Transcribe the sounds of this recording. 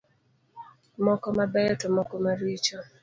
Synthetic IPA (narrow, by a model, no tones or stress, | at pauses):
mɔkɔmabɛjɔtɔmɔkɔmaɾit͡ʃɔ